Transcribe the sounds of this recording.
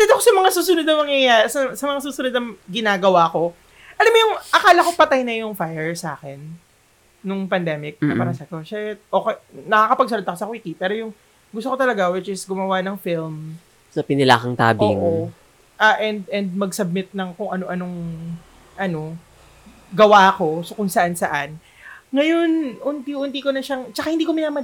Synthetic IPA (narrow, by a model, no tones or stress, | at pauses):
t̪ɛd̪ɐkosɐmɐŋasuːsʊnʊd̪nɐŋmɐŋjɐjasɐsɐmɐŋasuːsʊnʊd̪̚nɐŋɡɪnaːɡɐwaːko̞ | ʔɐlamojʊŋʔɐkaːlɐkopɐt̪ajnɐjʊŋfajɛɹsa̰ːkɛnː | ʊŋpɐnd̪ɛmɪk̚nɐpɐɾɐsɐkoʃɐtʔokɛjnɐkaːkɐpɐɡ̚sʊnɐd̪ɐkosɐkwikipɛːɾo̞jʊŋ | ɡʊst̪okot̪ɐlɐɡawɪt͡ʃɪsɡʊmɐwanɐŋfɪlm | sɐpɪnɪla̰ːkɐŋt̪a̰ːbɪʔʔo | ʔaʔɛnd̪ɛnd̪̚mɐɡsɐb̚mɪt̪̚nɐŋkʊŋʔɐno̞ʔɐno̞ŋ | ʔɐno̞ | ɡɐwako̞sokʊŋsɐʔansɐʔan | ŋɐjo̞nʔʊnt̪iʔʊnt̪ikonɐʃaŋt͡ʃɐkahɪnd̪iːkomɪnamɐ